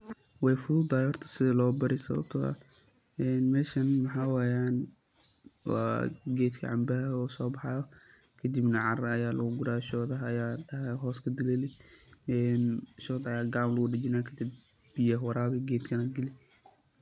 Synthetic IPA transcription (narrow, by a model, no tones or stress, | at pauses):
wɛjfʊðʊd̪ɐɛhɔrt̪ʰɐ̥sɪðɐlɔːbɐɾɪsɐβɐ̰b̚t̪ʰɐɐ̰ | ɛːnmɛːʃɐnmɐħawaːjaːn | wɑ̰ːɡɛːd̪kʰɐ̰ʕɑ̰mbɐɐɔːsɔːbɑħɑjɔ | kʰɐd̪ibnɐʕɑrɐɐjaːlɐɣʊɡʊɾaːʃɔːðɐɦɐjaːɖɐɦɛɦɔːskʰɐd̪ʊlɛlɪɛːnʃɔːd̪aaːɡaːmlɐɣʊɖɐd͡ʒɪnaːkʰɐd̪ɪb | bɪjɐɦwɐɾaːβɛɡɛːd̪kʰɐnɐɡɪlɪ